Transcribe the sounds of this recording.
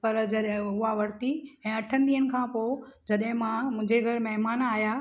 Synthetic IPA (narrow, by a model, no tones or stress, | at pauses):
pɐɾd͡ʑɐɗɦʊɦaʋɐɽt̪iɛ̃ːɐʈʰənɪd̪iːənɪ̆kʰãːpod͡ʑɐɗɦɪ̃mãmʊ̃ɦd͡ʑeɡʱɐɾmɐɦmaːnaːja